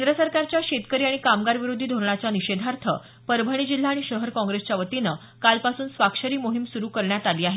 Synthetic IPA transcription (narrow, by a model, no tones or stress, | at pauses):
nd̪ɾəsəɾkaɾt͡ɕjaɕet̪kəɾiaɽ̃ikamɡaɾʋiɾod̪ʱiːd̪ʱoɾɳat͡ɕaniɕed̪ʱaɾt̪ʰə | pəɾbʱəɽ̃id͡ʑil̤ːaːɽ̃iɕəɦəɾkɔ̃ŋɡɾest͡ɕjaʋət̪inə | kalpasuːnsʋakʂəɾiːmoɦimsuɾuːkəɾɳjat̪aliːaɦe